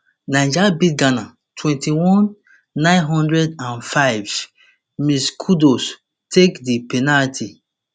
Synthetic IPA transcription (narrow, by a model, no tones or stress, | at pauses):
naɪ̃d͡ʒabiɡana | tʰwɛ̃ntiwɔ̃nː | ãɪ̃nɦɔ̃ndɹɛdãnfaɪv | miskʰudos | tʰekdipenaltʰi